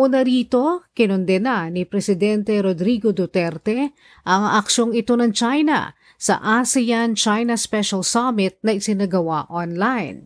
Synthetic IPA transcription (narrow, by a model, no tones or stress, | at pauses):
ʔunɐɾiːt̪o̞kɪnond̪ɛnanipɾɛsɪd̪ɛnt̪ɛɾod̪ɾiɡod̪ʊt̪ɛɾt̪ɛ | ʔɐŋʔɐkʃo̞ŋɪt̪o̞nɐŋt͡ʃajnɐ̰ | sɐ̰ʔasɪjant͡ʃajnɐspɛʃɐlsamɪt̪̚nɐʔɪsɪnɐɡɐwaʔonlajn